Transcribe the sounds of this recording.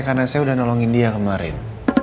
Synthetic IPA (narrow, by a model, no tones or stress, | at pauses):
karnasajaudahnɔlɔŋindiakəmaɾɪ̰n